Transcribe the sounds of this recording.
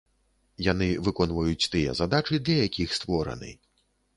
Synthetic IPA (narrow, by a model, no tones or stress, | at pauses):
janɨvɨkɔnvɐjut͡sʲt̪ɨjɛ̰zad̪at͡ʂɨd̪lʲɐjakʲixst̪vɔɾɐ̰nɨ̰